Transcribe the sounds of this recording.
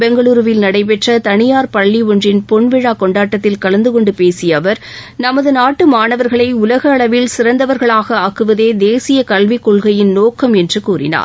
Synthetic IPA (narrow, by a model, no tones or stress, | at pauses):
bɛŋɡɐɭuːɾɯʋɪlnɐɽɐɪp̬ɛʈrɐt̪ɐɳɪjaːɾpɐɭːiɔndrɪnpɔɳʋɪɻaːkɔɳɖaːʈːɐt̪ːɪlkɐɭɐnd̪ɯkɔɳɖɯpeːsɪjɐʋɐɾ | nɐmɐðɯnaːʈːɯmaːnɐʋɐɾɣɐɭɐɪʊlɐɣɐːɭɐʋɪlsɪɾɐnd̪ɐʋɐɾɣɐɭaːɣɐaːkːɯʋɐðeːd̪eːsɪjɐkɐɭʋɪkːɔɭɣɐjɪnnoːkːɐmɛndrɯkuːrɪ̰na̰ːɾ